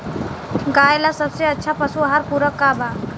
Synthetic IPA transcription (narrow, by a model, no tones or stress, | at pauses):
ɡaːjlasəbseətːʃʰapəsuɦaɾpuɾəkːaba